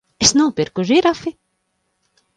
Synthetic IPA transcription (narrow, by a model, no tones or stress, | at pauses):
esnuːpiɾkuʒiɾafi